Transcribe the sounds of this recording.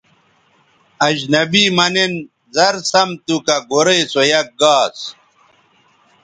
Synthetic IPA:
ɐʑnɐbiːmɐnen | zɐɾsɐmt̪ukɐɡoɾeːsojɐk̚ɡaːs

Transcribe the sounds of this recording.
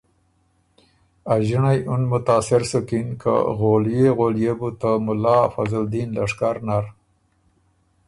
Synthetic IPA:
aʒɪɳajʊnmʊt̪ɑːsɪɾsʊkinkʰa̰ɣoljeɣoljebut̪əmʊlɑfazald̪inlaʂkaɾnaɾ

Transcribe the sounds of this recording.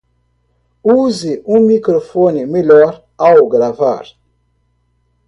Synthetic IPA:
uziʔũmikɾofɔnimilɔɾ | awɡɾava̰ɾ

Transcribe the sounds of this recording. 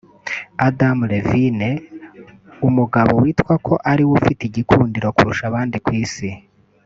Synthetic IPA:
adamɾevine | umuɡaβo̞wiːtkwakʰo̞ʔaɾiwufitiɟikʰuːndiɾo̞kṵɾuʃaβaːndikwiːsi

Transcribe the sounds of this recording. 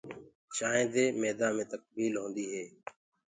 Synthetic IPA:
ʃaːẽːd̪eːmeːd̪ãːmẽːt̪ək̚biːlɦõːnd̪iːɦeː

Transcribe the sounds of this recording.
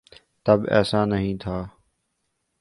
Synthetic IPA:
t̪əbɛ̰ːsãːnəɦĩːt̪ʰaː

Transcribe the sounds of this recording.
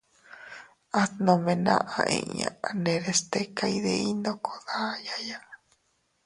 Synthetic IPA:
at̪nõmẽnã̰ʔaʔḛ̃ɲãaneɾest̪ekaiðeind̪okʰoðajaja

